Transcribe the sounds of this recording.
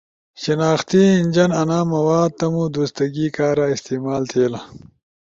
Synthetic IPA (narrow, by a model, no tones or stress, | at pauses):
ɕinaːxt̪iind͡ʑɐnɐnaːmɐwaːd̪̚t̪ɐmud̪ust̪ɐɡiːkaːɾaist̪iːmaːlt̪ʰeːlɐ